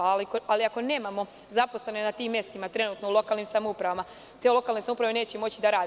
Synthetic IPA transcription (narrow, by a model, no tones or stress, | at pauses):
likaliako̞ne̞ːmamo̞ | zapo̞sle̞ne̞nat̪iːmːje̞st̪imat̪ɾe̞nuːt̪no̞ulˠo̞kalnimsamoupɾaʋama | t̪eːlo̞kalnesamupɾaʋene̞ːt͡ɕemo̞t͡ɕid̪aɾaːd̪